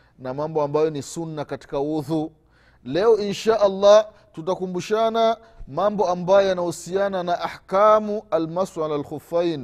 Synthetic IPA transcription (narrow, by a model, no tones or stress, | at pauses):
namambɔambajɔnisunːakati̥kauðu | lɛɔinʃaːʔalˤːa | tutakumbuʃana | mambɔambajɔjanahusiananaʔaħkamualmaswalalxufajn